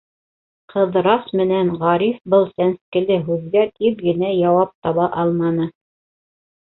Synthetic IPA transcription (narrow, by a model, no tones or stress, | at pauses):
qʰɤ̆ðɾɑsmɘ̆nænʁɑɾifbɤlˠsænskɘ̆lɘɦʉðɡæt̪ipɡɘ̆næjɑwɑp̚t̪ɑβɑʔɑlˠmɑnɤ